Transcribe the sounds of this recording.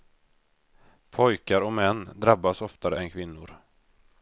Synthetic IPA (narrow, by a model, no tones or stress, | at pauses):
pʰɔjkaɾɔmɛnːd̪ɾabːasɔft̪aɾəɛnkʰvɪnːʊɾ